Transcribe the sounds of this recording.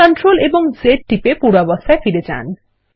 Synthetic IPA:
ɔnʈɾoleboŋzeʈ̚ʈipepuɾabɔst̪ʰaefiɾed͡ʑa̰n

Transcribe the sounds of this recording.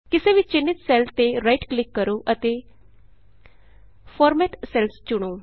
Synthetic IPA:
kɪseːʋit͡ʃɪnːɪt̪sɛːlt̪eːɾaːiʈklɪkːəɾoːʔət̪eː | pʰɔːɾmɛːʈsɛːlst͡ʃʊɽ̃oː

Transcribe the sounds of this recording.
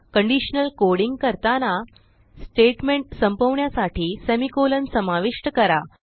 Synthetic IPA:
kəɳɖiɕnəlkoɽiŋɡkəɾt̪ana | sʈeʈmeɳʈsəmpəʋɳjasaʈiːsemikolənsəmaʋiʂʈəkəɾa

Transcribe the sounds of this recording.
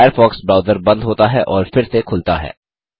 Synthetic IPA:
jəɾfɔːksbɾaːʊd̪əɾbɐ̃nd̪ɦoːt̪aɦɛʔɔːɾfɪɾsekʰʊlt̪aɦɛ̰ː

